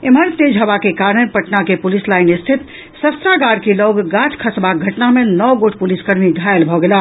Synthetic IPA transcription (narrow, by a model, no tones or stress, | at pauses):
ɪməɾt̪eːd͡ʒɦəʋakekaːɾnə̃pəʈnakepʊlislaːɪnɪst̪ʰɪt̪ | səst̪ɾaɡaːɾkilɔːɡɡat͡ʃkʰəsbaɡʱɐʈnamẽnɔɡoʈʰpʊliskəɾmiɡ̪ʱajəlbʱɔɡela